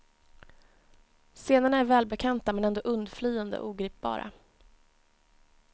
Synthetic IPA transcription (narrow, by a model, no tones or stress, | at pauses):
seːnaɳaæɾvɛːlbɛkʰant̪amɛnɛnd̪oːʔɵnd̪flyːand̪ə̰ʔuːɡɾiːp̚bɑ̰ːɾa̰